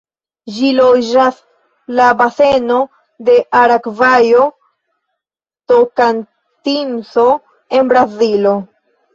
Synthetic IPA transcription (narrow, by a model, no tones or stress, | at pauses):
d͡ʒilod͡ʒas | labase̞no̞ | de̞ʔaɾakvajo̞ | tokan | tinso̞ | e̞nbɾazilo̞